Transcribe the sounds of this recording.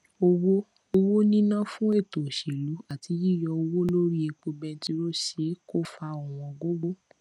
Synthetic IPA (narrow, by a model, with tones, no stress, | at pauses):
o˧wo˦ | o˧wo˦nĩ˦nã˦fũ˦e˦˨to˨ʃe˨lu˨˦a˦˨tʰi˨˧˦ji˦˨jɔ˧o˧wo˦lo˦ɾi˦e˧k͡po˧bɛ˧n̩˦ti˧ɾo˦ʃe˨˦ko˦fa˧o˨w̃ɔ̃˧˨ɡo˦ɡ͡bo˦